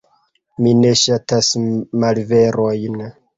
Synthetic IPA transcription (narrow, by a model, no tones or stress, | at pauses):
mine̞ʃatasmalve̞ɾojn